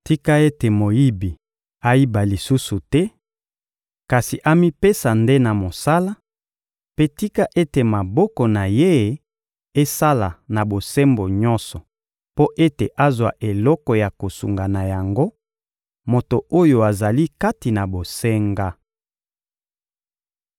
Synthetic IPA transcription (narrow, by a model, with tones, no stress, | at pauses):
ti˦ka˦e˦te˨mo˨ji˦bi˨ | a˦i˦ba˨li˨su˦su˨tɛ˦ | ka˨si˨ʔa˦mi˦pe˦sa˨nde˦na˨mo˨sa˦la˦ | pe˦ti˦ka˦ʔe˦te˨ma˨bɔ˦kɔ˨na˨je˦ | e˦sa˦la˨na˨bo˨sɛ˦mbo˨ɲɔ̃˦nsɔ˨ | po˦ʔe˦te˨ʔa˦zwa̰˨ʔe˨lɔ˦kɔ˨ja˨ko˨sṵ˨ŋɡa˨na˨ja˨ŋɡo˦ | mo˨to˨o˦jo˨a˨za˨li˦ka˦ti˨na˨bo˨sɛ˦ŋɡa˦